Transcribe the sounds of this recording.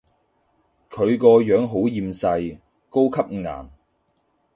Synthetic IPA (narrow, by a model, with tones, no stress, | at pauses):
kʰɵ˨˧ɥkɔː˧jœː˨˥ŋɦo˨˥wjiː˨˧msɐ˧j | ko˥wkʰɐ˥p̚ŋa̰ː˨˩n